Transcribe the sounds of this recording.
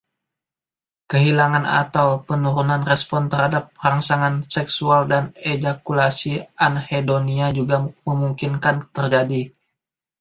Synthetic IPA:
kəɦilaŋana̰t̪awpənuɾunanrɛspɔnt̪ərhadap̚raŋsaŋansɛksualdaned͡ʒakulasianhedoniad͡ʒuɡaməmuŋkinkant̪ərd͡ʒadi

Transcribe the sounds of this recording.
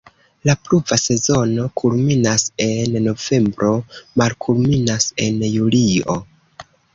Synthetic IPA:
lapluvase̞zo̞no̞kʰulminase̞nːo̞ve̞mbɾo̞malkʰulminase̞njulio̞̰

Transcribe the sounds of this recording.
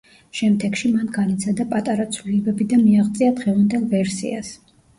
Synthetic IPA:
ʃɛmd̪ɛɡʃimanɡanit̪sʰad̪apʼat̪ʼaɾat̪sʰvliɛbɛbid̪amiaʁt̪sʼiad̪ʁɛvand̪ɛlˠvɛɾsḭas

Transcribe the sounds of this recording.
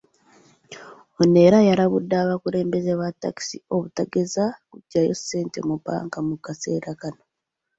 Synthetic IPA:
one̞ɾajaɾaβudːaːβakuɾe̞ːmbe̞zeβatːa̰ki̥sio̞βutaɡe̞zakuɟːajo̞sːe̞ːnte̞̰mupa̰ːŋkamukase̞ːɾakano̞

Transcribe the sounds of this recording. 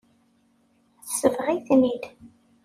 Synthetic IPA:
sːəvʁiθnid̪

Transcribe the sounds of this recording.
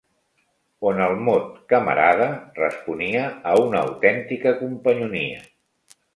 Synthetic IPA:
onəlˠmot̪̚kəmə̰ɾaðərəspuniəːunə̰ːwt̪ɛnt̪ikəkumpəɲunḭə̰

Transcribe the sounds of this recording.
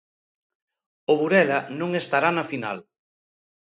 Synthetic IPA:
ʊβuɾɛlɐnõŋest̪aɾanɐfina̰l

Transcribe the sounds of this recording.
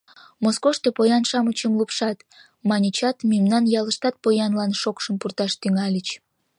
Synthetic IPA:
moskoʃt̪opojɑnʃɑmət͡ɕəmlupʃɑt̪ | mɑnʲit͡ɕɑt̪mimnɑnjɑləʃt̪ɑt̪̚pojɑnlɑnʃokʃəmpurt̪ɑʃt̪yŋɑlʲət͡ɕ

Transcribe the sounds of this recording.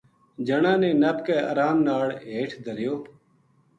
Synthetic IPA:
d͡ʒəɳãːnẽːnəpkɛːa̰ːɾaːmnaːɭɦeːʈʰd̪ʱəɾjoː

